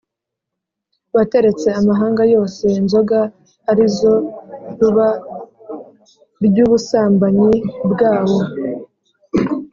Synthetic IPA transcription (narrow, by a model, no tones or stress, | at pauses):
βate̞ɾe̞t͡se̞amaɦaːŋɡajo̞ːse̞inzo̞ɡa | aɾizo̞ɾuβa | ɾjuːβusaːmbaɲibɡaːwo̞